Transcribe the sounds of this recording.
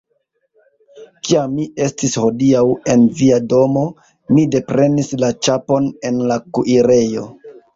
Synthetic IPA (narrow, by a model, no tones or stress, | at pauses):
kiamːie̞stisho̞diawe̞nviado̞mo̞ | mide̞pɾe̞nislat͡ʃapo̞ne̞nlakuʔiɾe̞jo̞̰